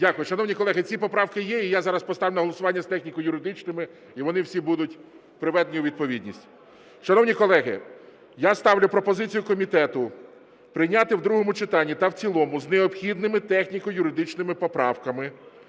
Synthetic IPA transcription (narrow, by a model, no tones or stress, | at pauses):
dʲakʊjʊʃɐnɔwnʲikɔlˠɛɦɪt͡sʲipɔpɾɑwkɪjɛijazɑɾɐspɔst̪ɑʋwlʲʊnɐɦɔlˠɔsʊʋɑnʲːɐst̪ɛxnʲikɔjʊɾɪd̪ɪt͡ʃnɪmɪ | iʋɔnɪwsʲibud̪ʊtʲ | pɾɪʋɛd̪enʲjʊʋʲid̪̚pɔʋʲid̪ʲnʲisʲtʲ | ʃɐnɔwnʲikɔlˠɛɦɪ̰ | jast̪ɑwlʲʊpɾɔpɔzɪt͡sʲijʊkɔmʲit̪ɛt̪ʊ | pɾɪjnʲat̪ɪwd̪ɾuɦɔmʊt͡ʃɪt̪ɑnʲːit̪ɐwt͡sʲilˠɔmʊzneɔpxʲid̪nɪmɪt̪ɛxnʲikɔjʊɾɪd̪ɪt͡ʃnɪmɪpɔpɾɑ̰wkɐmɪ